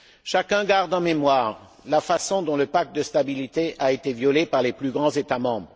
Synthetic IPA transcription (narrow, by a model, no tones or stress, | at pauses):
ʃakʲɛ̃ɡaʁd̪ɑ̃memwaːʁ | lafasɔ̃d̪ɔ̃ləpak̚t̪̚d̪əst̪abilit̪eʔaet̪evjɔlepaʁleplyɡʁɑ̃zet̪amɑ̃bʁ